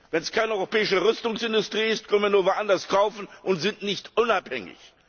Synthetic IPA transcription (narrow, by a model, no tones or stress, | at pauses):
vɛnskʰaɪnəɔʏʁopɛːɪʃəʁʏstʊŋsʔɪndʊstʁ̥iːɪst̚kʰœnviːɐnuːɐvoʔandɐskʰaʊfn̩ʔʊntz̥ɪntnɪçtʔʊnaphɛŋɪ̰ç